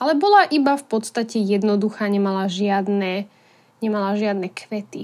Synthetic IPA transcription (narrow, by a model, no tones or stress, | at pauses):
alɛbɔlaʔibafpɔt̪st̪acɛjɛd̪nɔd̪uxaːɲɛmalaʒɪad̪nɛ | ɲɛmalaʒɪad̪nɛkʰʋɛt̪i